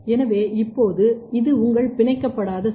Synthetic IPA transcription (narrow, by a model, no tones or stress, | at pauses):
ɛnɐʋeːʔɪpːoːðɯɪðɯʊŋɡɐɭpɪɳɐɪkːɐpːɐɽaːðɐ